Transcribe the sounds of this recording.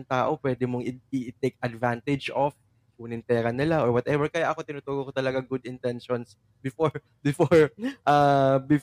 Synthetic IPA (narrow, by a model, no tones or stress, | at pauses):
ŋt̪aːʔo̞pwɛːd̪ɪmoŋɪɪt̪ejk̚ɐd̪vant̪ɪd͡ʒʔof | uːnɪnt̪ɛːɾɐnɪlaʔoɹwɐt̪ɛvɛɹkɐjaʔɐko̞t̪ɪnʊt̪uːɡokot̪ɐlɐɡaŋɡʊd̪ɪnt̪ɛnʃɔns | bɪfoɹ | bɪfoɹʔaːbɪf